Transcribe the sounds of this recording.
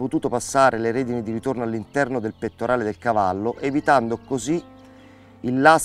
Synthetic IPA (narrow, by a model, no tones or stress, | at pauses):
pot̪uːt̪opasːaːɾʔeleɾeːd̪inid̪iɾit̪ornoalːint̪ɛrnod̪elpet̪ːoɾaːled̪elkavalːoʔevit̪and̪okozi | ilːa